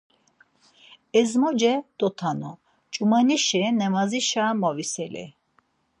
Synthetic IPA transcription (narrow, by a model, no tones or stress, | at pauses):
ɛzmɔd͡ʒɛd̪̥ɔt̪ʰanɔ | t͡ʃʼumaniʃinɛmaziʃaːmɔvisɛlḭ